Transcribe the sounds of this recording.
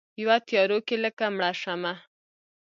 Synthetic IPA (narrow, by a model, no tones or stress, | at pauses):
jwat̪jɑɾokeləkamɽaʂama